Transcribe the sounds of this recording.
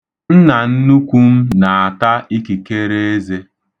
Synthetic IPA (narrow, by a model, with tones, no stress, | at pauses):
n̩˦na˨n̩˦nu˦kʷu˦m̩˦na˨a˨ta˦i˦ki˨ke˦ɾe˦e˦ze˦